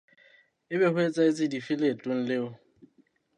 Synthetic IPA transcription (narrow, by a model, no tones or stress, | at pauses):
ɪbɛhwet͡sʼaɪt͡sʼɪdifɪletʼʊŋ̩lɪʊ